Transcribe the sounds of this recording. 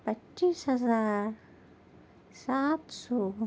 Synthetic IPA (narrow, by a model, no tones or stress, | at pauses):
pat͡ʃːishazaɾ | sat̪su